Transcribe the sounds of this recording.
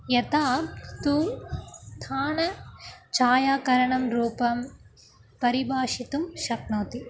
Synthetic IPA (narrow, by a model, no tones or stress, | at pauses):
jɐt̪aːt̪uːmt̪ʰaːnɐt͡ʃaːjaːkɐɾɐɳɐmɾuːpɐm | pɐɾibʱaːʃit̪umʃɐknoːt̪i